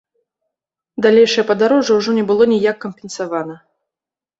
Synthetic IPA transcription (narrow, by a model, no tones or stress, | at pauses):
d̪alʲejʂɐjɐpɐd̪aɾɔʐɐwʐɔnʲɛbɨlˠɔnʲijakːɐmʲpʲɛnsavanɐ